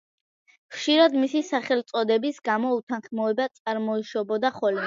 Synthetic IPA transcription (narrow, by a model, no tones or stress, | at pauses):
χʃiɾad̪misisaχɛlt̪sʼɔd̪ɛbisɡamɔut̪ʰanχmɔɛbat̪sʼaɾmɔiʃɔbɔd̪aχɔlɛ